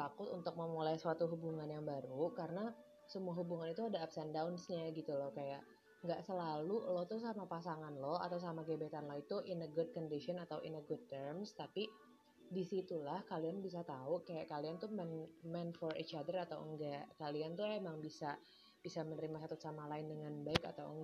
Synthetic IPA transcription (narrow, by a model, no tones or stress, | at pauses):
t̪akʊt̪unt̪ʊk̚məmulajsəat̪uɦubuŋanjaŋbaɾukaɾəna | səmuaɦubuŋanit̪uadaːpsɛndawnsɲaɡit̪ulɔhkajaʔ | ŋɡaʔsəlalulɔt̪usamapasaŋanlɔɦa̰t̪aws̬amaɡebet̪anlɔit̪uʔɪnəɡʊd̚kɔndisɔnat̪awʔḭnəɡud̚t̪ərmst̪api | disit̪ulahkalianbis̬at̪aukajaʔkaliant̪umɛnmɛnfɔrḭt͡ʃadərat̪awəŋɡaʔkaliant̪uemaŋbisa | b̥isamənəɾimasat̪ʊt̪samalaɪndəŋanbaɪka̰t̪awəŋ